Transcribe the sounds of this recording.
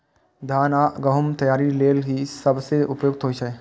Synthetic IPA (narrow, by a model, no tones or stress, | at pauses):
d̪ʱaːnaɡəɦumt̪ɐjaːɾileːlɦisəbseʔʊpjoːɡ̚t̪ɦoːit͡ʃʰɛ